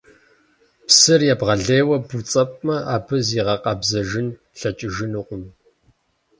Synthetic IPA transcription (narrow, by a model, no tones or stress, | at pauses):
psɨrjaːbʁɐɮeːwɐbut͡sʼɐpʼmɐʔaːbʰɨziːʁɐqɐbzɐʒɪn | ɬɐt͡ʃʼɪʒɪnuqʷʼʊm